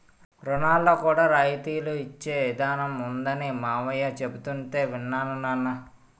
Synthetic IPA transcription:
ɾunaːlːoːkuːɽaːɾajt̪iːluit͡ʃːe̞ːʋid̪ʱaːnɐmund̪ɐnimaːʋɐjɐt͡ʃe̞but̪uɳʈe̞ːʋinːaːnunːanːɐ

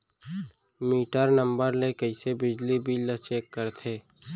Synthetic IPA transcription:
miːʈəɾnə̃mbəɾlekəɪsebɪd͡ʒlibʱilət͡ʃeːkːəɾt̪ʰeː

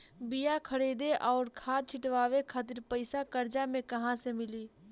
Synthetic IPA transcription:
bijakʰəɽiːd̪eʔɔːɾkʰaːt̪̚t͡ʃʰɪʈʋaːwekʰaːt̪̬ɪɾpəɪsakəɾd͡ʒamẽkɐɦãsemɪliː

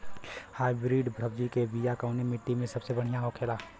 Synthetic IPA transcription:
haːɪbɾiːɖbʱɾəbd͡ʒikeʋijakəːnemɪʈːimẽsɐbsebɐɽ̤ijãɦokʰeːlaː

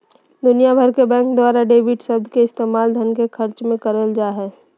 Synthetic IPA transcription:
d̪ʊnijabʱəɾkebɛ̃ːŋk̚d̪waːɾaɖeːbɪʈsəb̚d̪ʱkeɪst̪eːmaːld̪ʱənkekʰəɾt͡ʃmẽkəɾəld͡ʒaːɦɛː

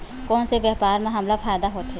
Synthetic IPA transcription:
kɔːnseʋjɛːɦpaːɾmẽɦɐmlafʰaːjd̪aɦoːt̪ɦeː

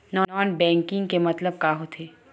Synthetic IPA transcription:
nɔːnɔːnbɛ̃ːŋkɪ̃ŋɡkemɐt̪ləb̚kaːɦot̪ʰeː

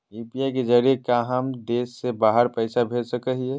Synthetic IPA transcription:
juːpiaiked͡ʒəɾiekaːɦamd̪eːsːebaːɦəɾpɛɪsabʱeːd͡ʒsəkəɦiɦɛ

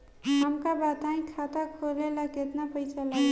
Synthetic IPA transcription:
ɦəmkabat̪aĩkʰat̪akʰolelaket̪napəjt͡ʃʰala

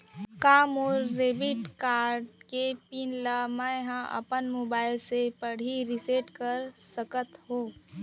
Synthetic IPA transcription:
kaːmɔːɾːeːbɪʈkaːɾɖkepinləmaɦãʔə̰pənmoːbaːɪlsepəɽ̤iɾɪseːʈkəɾsəkət̪hoː

